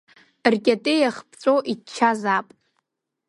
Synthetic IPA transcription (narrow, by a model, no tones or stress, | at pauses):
rkʲʼatʼejaχpʰt͡sʷʼoʔit͡ʃʰːazapʼ